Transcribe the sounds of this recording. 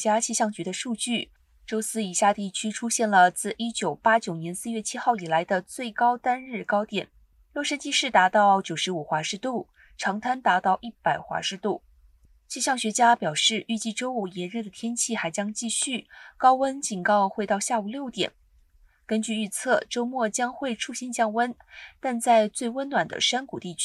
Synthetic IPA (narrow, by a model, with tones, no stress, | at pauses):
t͡ɕja˥t͡ɕʰi˥˧ɕjɑ˥˩ŋt͡ɕy˧˥d̪ə˧ʂu˥˧t͡ɕy˥˩ | ʈ͡ʂo˥ʊsɹ̩˥i˨˩ɕja˥˧t̪i˥˩t͡ɕʰy˥ʈ͡ʂʰu˥ɕjɛ˥˩nlə˩t͡sɹ̩˥˩ʔi˥t͡ɕjo˨˩ʊpa˥t͡ɕjo˨˩ʊnjɛ˧˥nsɹ̩˥˧ɥɛ˥˩t͡ɕʰi˥xɑ˥˩ʊi˨˩la˧˥ɪd̪ə˧t͡swe˥˩ɪkɑ˥ʊt̪a˥nɻɻ̩˥˩kɑ˥ʊt̪jɛ˨˩˦n | ljɔ˥˧ʂə˥nt͡ɕi˥˧ʂɻ̩˥˩t̪a˧˥t̪ɑ˥˩˧ʊt͡ɕjo˨˩ʊʂɻ̩˧˥u˨˩xwa˧˥ʂɻ̩˥˧t̪u˥˩ | ʈ͡ʂʰɑ˧˥ŋt̪ʰa˥nt̪a˧˥t̪ɑ˥˧ʊʔi˥˩pa˨˩ɪxwa̰˧˥ʂɻ̩˧˥t̪u˥˩ | t͡ɕi˥˧ɕjɑ˥˩ŋɕɥɛ˧˥t͡ɕja˥pjɑ˨˩ʊʂɻ̩˥˧ʔy˥˧t͡ɕi˥˩ʈ͡ʂo˥ʊu˨˩jɛ˧˥nɻə˥˩d̪ə˩t̪ʰjɛ˥nt͡ɕʰi˥˩xa˧˥ɪt͡ɕjɑ˥ŋt͡ɕi˥˧ɕy˥˩kɑ˥ʊwə˥nt͡ɕi˨˩nkɑ˥˧ʊxwe˥˧ɪt̪ɑ˥˧ʊɕja˥˩u˨˩ljo˥˩ʊt̪jɛ̰˨˩˦n | kə˥nt͡ɕy˥˧y˥˧t͡sʰɤ˥˩ʈ͡ʂo˥ʊmwɔ˥˩t͡ɕjɑ˥ŋxwe˥˧ɪʈ͡ʂʰu˥˩ɕi˥nt͡ɕjɑ˥˧ŋwə˥nt̪a˥˧nt͡sa˥˧ɪt͡swe˥˩ɪwə˥nwa˨˩nd̪ə̰˦ʂa˥nku˨˩t̪i˥˩t͡ɕʰ